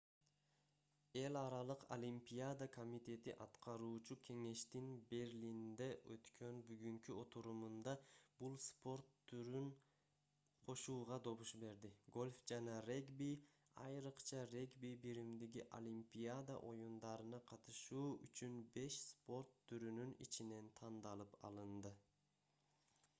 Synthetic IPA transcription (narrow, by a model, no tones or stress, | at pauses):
e̞lʲɑɾɑlˠɯqo̰lʲimpʲijad̪akʰo̞mʲit̪ʲe̞t̪iʔɑt̪qɑɾuːt͡ʃukʲʰe̞ŋe̞ʃt̪inbe̞ɾlʲind̪eʔø̰t̪kʰø̞nbyɡyŋkyo̞t̪uɾumund̪ɑb̥ulˠspo̞ɾt̪ːɾyn | qʰo̞ʃuːʁɑd̪o̞βuʃbe̞ɾd̪iɡo̞lʲfd͡ʒɑnɑreɡbi | ɑ̰jɾɯqt͡ʃʰɑre̞ɡbibiɾimd̪iɡʲiʔo̰lʲimpʲiad̪ɑ̰ʔo̞jund̪ɑɾɯnɑqʰɑt̪ɯʃuːyt͡ʃynbe̞ʃspo̞ɾt̪ʰːyɾynynḭt͡ʃine̞nt̪ʰɑnd̪ɑlˠɯpɑ̰lˠɯnd̪ɯ